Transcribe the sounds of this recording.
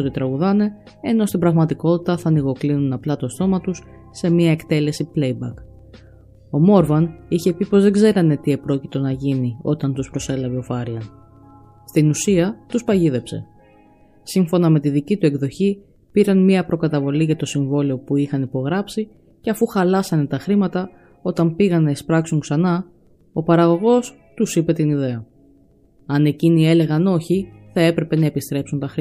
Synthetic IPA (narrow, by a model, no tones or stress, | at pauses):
ot̪it̪ɾɐɣuðɐne̞ | eno̞st̪ibɾɐɣmɐt̪iko̞t̪it̪ɐθɐniɣo̞klinunɐplɐt̪o̞st̪o̞mɐt̪usː | e̞miɐekt̪e̞le̞siple̞jbɐ̰k | o̞mo̞ɾvɐniçe̞pipo̞zðe̞ɡze̞ɾɐne̞t̪iepɾo̞cit̪o̞nɐʝinio̞t̪ɐnt̪uspɾo̞se̞lɐve̞o̞fɐɾlɐn | st̪inusiɐt̪uspɐʝiðe̞pse̞̰ | siɱfo̞nɐme̞t̪iðicit̪ue̞kðo̞çi | piɾɐnmiɐpɾo̞kɐt̪ɐvo̞liʝɐt̪o̞siɱvo̞lio̞puixɐnipo̞ɣɾɐpsi | ce̞ɐfuxɐlɐsɐne̞t̪ɐxɾimɐt̪ɐ | o̞t̪ɐmpiɣɐnːɐespɾɐksuŋksɐnɐ | o̞pɐɾɐɣo̞ɣo̞s | t̪usipe̞t̪iniðe̞ɐ | ɐne̞cinie̞le̞ɣɐno̞çiθɐe̞pɾe̞pe̞nɐe̞pist̪ɾe̞psunt̪ɐxɾi